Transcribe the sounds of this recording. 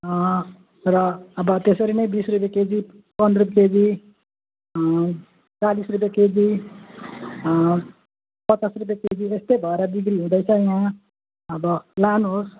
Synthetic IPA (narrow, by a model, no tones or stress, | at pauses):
rʌːbʌt̪esʌɾinʌj̃bisrup̬jaked͡zi | pʌnrup̬jaked͡zi | t͡salisrup̬jaked͡zi | pʌt͡sasrup̬jaked͡ziest̪ejbʱʌeɾʌd̪iɡɾiɦũd̪ʌjt͡sʰʌjã | ʌbʌlanɦos